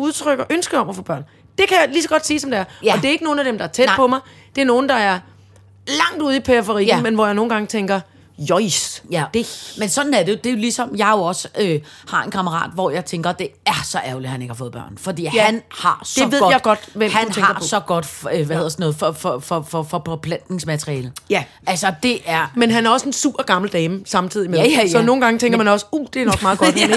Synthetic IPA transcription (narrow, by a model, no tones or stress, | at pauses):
uð̞ˠt͡sʰʁœɡ̥ɐʔønsɡ̥əɒ̽mɐfɔ̰̽ːb̥ɶɐ̰n | d̥e̝kʰæjɑ̈ɪlisɒ̽ɡ̥ɒ̽d̥sḭːsɒ̽md̥e̝æɐɒ̽d̥e̝ɐe̝ɡ̥əno̝ːn̩æd̥emd̥ɑ̈æɐt͡sʰed̥pʰɒ̽mɑ̈ɪ | d̥e̝æɐno̝ːn̩d̥ɑ̈æɐ | lɑ̈ŋ̰d̥uð̞̩̰ˠipʰefəʁḭːmenʋɒjɑ̈ɪno̝ːn̩ɡɑ̈ŋt͡sʰeŋɡ̥ɐ | jɒ̽ɪsd̥e̝mensɒ̽n̥n̩æɐde̝jo̝d̥e̝jo̝lisɒ̽mjɑ̈ɪjo̝ɒ̽səøhɑ̈e̝nkʰɑ̈məʁɑ̰̈ːd̥ʋɒjɑ̈ɪt͡sʰeŋɡ̥ɐd̥e̝æɐsɒ̽ʔæɐlihæne̝ɡ̥hɑfɔð̩ˠbɶ̰ɐ̰nfɒ̽d̥ḭːhænhɑ̈sd̥e̝ʋeð̞ˠjɪɡ̥ɒ̽d̥ʋemhænʰeɑ̈ɡ̥ɐsɒ̽ɡ̥ɒ̽d̥øʋæheðˠɐsɒnɔ̽ːð̩ˠfɒfɒfɒfɒfɒ̽pʰɒ̽pʰlæn̰d̥ne̝ŋsmæt͡sʰʁiɛːləjæ | ælsɐd̥e̝ʔæɐmenɦænæɐɒ̽se̝nsṵːb̥ɐɡ̥ɑ̈ml̩d̥ɛːməsɑ̈mt͡sʰið̰ˠimesɒ̽no̝ːn̩ɡ̥ɑ̈ŋət͡sʰeŋɡ̥ɐmænɒ̽səud̥e̝ænɒ̽ɡ̥mɑ̈ːðˠɡ̥ɒd̥eeɡ̥